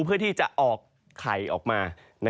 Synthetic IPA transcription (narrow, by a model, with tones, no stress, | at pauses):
pʰɯ˥˩ət̪ʰiː˥˩t͡ɕa˨˩ʔʔɔː˨˩kʰː | a̰˩˦jʔɔ̰ː˨˩k̚maː˧ | na˧